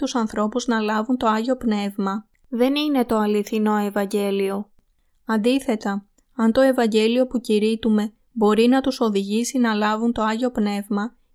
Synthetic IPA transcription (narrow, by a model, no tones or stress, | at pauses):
t̪usɐnθɾo̞puznɐlɐvunt̪o̞ɐʝo̞pne̞vmɐ | ðe̞nine̞t̪o̞ɐliθino̞e̞vɐɲɟe̞lio̞ | ɐnd̪iθe̞t̪ɐ | ɐnt̪o̞e̞vɐɲɟe̞lio̞puciɾit̪ume̞ | bo̞ɾinɐt̪uso̞ðiʝisinɐlɐvunt̪o̞ɐʝo̞pne̞vmɐ